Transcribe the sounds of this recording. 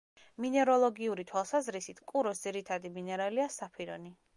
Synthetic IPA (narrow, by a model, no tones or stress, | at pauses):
minɛɾɔlˠɔɡiuɾit̪ʰwalˠsazɾisit̪ʰkʼuɾɔsd̪z̥iɾit̪ʰad̪iminɛɾaliasapʰiɾɔ̰ni